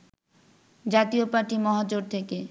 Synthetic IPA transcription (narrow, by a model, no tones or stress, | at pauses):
d͡ʑat̪iopaɾʈimɔɦad͡ʑoɾt̪ʰeke